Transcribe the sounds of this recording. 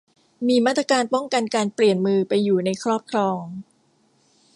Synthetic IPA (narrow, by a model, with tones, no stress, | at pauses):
miː˧maː˥˩ɾa˧kaː˧npɔ˥˩ŋka˧nkaː˧npli˨˩ənmɯː˧pa˧jːuː˨˩na˧jkʰɾɔː˥˩p̚kʰɾɔː˧ŋ